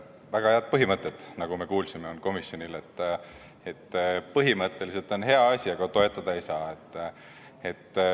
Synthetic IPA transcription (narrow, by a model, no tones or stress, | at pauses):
væɡ̥ɑheɑd̪̚pɤɦimɤt̪ˑːet̪nɑɡ̥ume̞kuːlsimeonko̞misjonile̞t̪ː | et̪ːpɤɦimɤt̪ˑːe̞lis̬e̞lt̪ˑo̞nɦe̞ɑɑsʲiɑɡ̥ɑt̪o̞e̞t̪ˑːɑd̪̥ɑe̞jsɑːe̞t̪ˑː | et̪ː